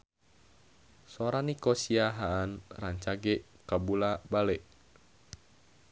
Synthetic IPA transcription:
soɾanikosiaɦaːnraɲt͡ʃaɡɛʔ | kabulabalɛʔ

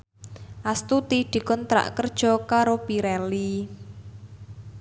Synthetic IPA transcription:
ʔast̪ut̪iɖ̥i̤kʊnt̪ɾa̰ʔkərd̥ʒ̥ɔ̤kaɾopiɾɛli

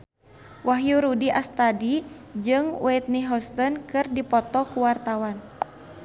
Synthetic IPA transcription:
waɦjuɾudiʔast̪adid͡ʒɨŋwɛt̪̚niɦɔst̪ɔnkɨrdipɔt̪ɔkuwart̪awan

